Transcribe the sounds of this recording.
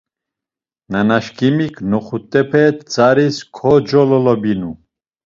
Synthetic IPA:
nanaʃkʰʼimikʰnɔχut̪ʼːɛpʰɛt̪t͡saɾiskʰɔd͡ʒɔlɔlɔbinu

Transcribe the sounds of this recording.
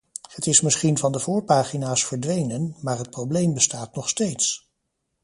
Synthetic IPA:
hətɪsmɪsχinvɑndəvʊːɹpaːχinaːsfəɹdʋejnənmaːɹɦət̚prowblejmbəstaːtnɔχstejts

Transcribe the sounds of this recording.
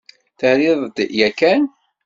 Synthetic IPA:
θəhɾɪðˤd̪jækːæn

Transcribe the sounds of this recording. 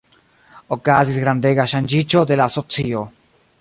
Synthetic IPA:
okazizɣɾand̪eɣaʃand͡ʒit͡ʃoðelasot͡sio

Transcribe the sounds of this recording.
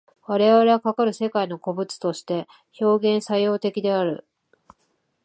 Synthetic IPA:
βaɾe̞βaɾe̞βakakaɾɯ̟se̞kaino̞ko̞bɯ̟t͡sɨ̥t̪o̞ɕi̥t̪e̞ | ço̞ːɡẽ̞ɰ̃sajo̞ːt̪e̞kʲid̪e̞aɾɯ̟

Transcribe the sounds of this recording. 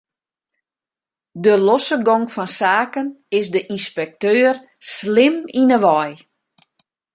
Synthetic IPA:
dəlɔsəɡɔŋfɔnsaːkənɪsdəʔinspɛk̚tøːr | slɪminəʋɔj

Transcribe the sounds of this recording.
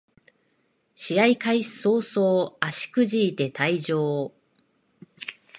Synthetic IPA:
ɕiaikaiso̞ːsoːaɕi̥kɯ̟ʑiːt̪e̞t̪aid͡ʑoː

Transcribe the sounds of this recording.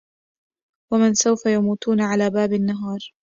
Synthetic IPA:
wamɪnsawfajamuːt̪uːnaʕalaːbaːbanːaɦɑːɾˤ

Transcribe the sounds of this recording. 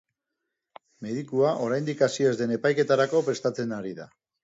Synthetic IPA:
me̞ðikuaʔo̞ɾajnd̪ikasie̞zd̪e̞ne̞pajke̞t̪aɾako̞pɾe̞st̪at͡se̞naɾiða̰

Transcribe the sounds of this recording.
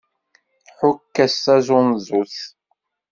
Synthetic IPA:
ħʊkːæsːæzʊnzˤuθ

